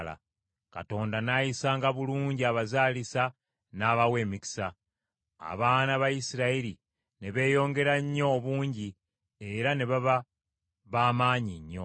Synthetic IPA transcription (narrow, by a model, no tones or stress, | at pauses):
la̰ | ka̰to̞ːndanajisaŋɡaβuluːɲɟiaβazaːlisa | naːβawe̞ːmiki̥sa | a̰βaːnaβajisiɾaiɾi | ne̞βe̞ːjo̞ːŋɡe̞ɾaɲːo̞ːβuːɲɟi | e̞ɾane̞βaβa | βaːmaːɲiɲːo̞̰